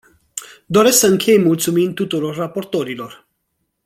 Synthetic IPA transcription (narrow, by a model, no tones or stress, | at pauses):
d̪o̞ɾe̞sksəɨŋkʲʰe̞jmult̪sumint̪ut̪uɾo̞rːapo̞rt̪o̞ɾilo̞r